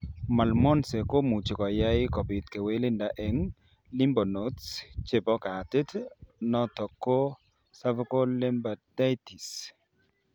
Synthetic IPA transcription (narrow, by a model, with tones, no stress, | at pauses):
ma˨lmɔ˦nse˨ko˦mu˨t͡ʃkɔ˨ja˦ɪ˦kɔ˨bɪ˨t̪ke˨we˦lɪ˦nda˨ʔe˨ŋ | lɪ˦mbɔ˨no˨tst͡ʃe˨bɔ˦ka˨tɪ˦tnɔ˦tɔ˨kːo˦ | sa˦vko˦le˦mba˨da˦ti˨s